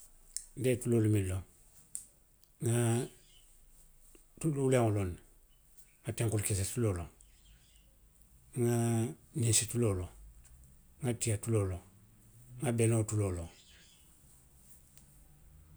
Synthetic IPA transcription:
ndetulolomiloŋ | ŋa | tululeŋolon | ŋateŋkulkes̬etuloloŋ | ŋaninsitulolo | ŋatiatulolo | ŋabelotuloloŋ

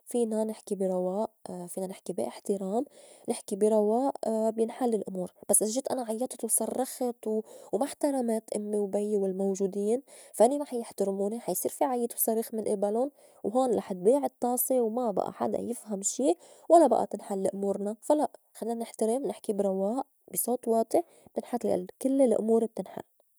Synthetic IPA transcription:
fiːnanɪħkibiɾˤɑwaːʔfiːnanɪħkibiʔɪħt̪ɪɾaːmnɪħkibiɾˤɑwaːʔbjɪnħalːɪlʔʊmuːɾbasːʔaʒːɪt̪ʔanaʕajːɑt̪ˤt̪wsˤɑrˤːɑxt̪wwmaħt̪aɾˤɑmaːt̪ʔɪmːiwbajːwɪlmowʒuːd̪iːnfaʔɪnimaħajɪħt̪ɪɾmuːniħajsˤiːɾfiʕajːɪt̪wsˤɑɾiːxmɪnʔɪbalʊn | wɦoːnlʔɑ̰ːħɪt̪̚biːʕɪt̪ˤːɑːsˤiwmaba̰ʔa̰ħa̰d̪a̰jɪfhamʃiːwalːaba̰ʔa̰t̪ɪnħalːʔʊmuːɾnafalaʔ | xalːiːnanɪħt̪ɪɾɪmnɪħkibɾˤɑwaːʔ | b̥isˤoːt̪ˤwɑːt̪ˤɪʕ | b̥t̪ɪnħalkɪlːɪlʔʊ̰muːɾb̚t̪ɪnħa̰lː

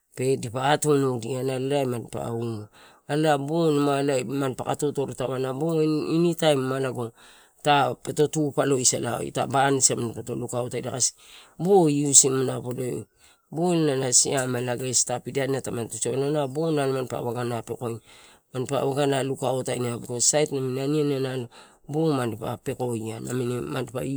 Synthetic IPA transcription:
pe̞dipakatonodianalalajmanpa̰uno | alabonmalajmanpa̰ka̰toto̞ɾtaβanaboinitajmmalaɡo | tapeto̞tupalo̞isa̰lao̰j̰ta̰bansamanpetolukaotajdakasi̥bojusimanapodo | bolnanasiamalaɡestapidanatamantut͡ʃeβalanabonalmanpa̰βaɡanapekoj | manpaβaɡanalukaotajnabiɡosajtnaminaniananalo | bomanpa̰pe̞ko̞jana̰minmandpa̰

